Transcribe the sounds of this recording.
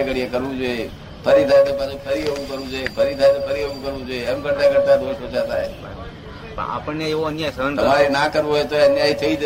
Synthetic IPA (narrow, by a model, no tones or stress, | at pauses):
kəɽijekəɾʋũd͡ʒoe | pʰəɾit̪ʰaːet̪opãd͡ʒũpʰəɾieʋũkəɾʋũd͡ʒoepʰəɾit̪ʰaet̪opʰəɾieũkəɾʋũd͡ʒoeemɡəɽt̪aɡəɽt̪ad̪oːʃot͡ʃʰat̪ʰaːɦḛ | a̰ːpəɳneeʋoənjaisəənt̪əmaːɾinãːkəɾʋũɦoet̪oənjaːit̪ʰəid͡ʒ